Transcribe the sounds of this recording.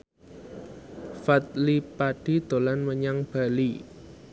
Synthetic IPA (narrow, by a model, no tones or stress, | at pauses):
fat̪̚lipaɖ̥i̤d̪̥o̤lanməɲaŋb̥a̤li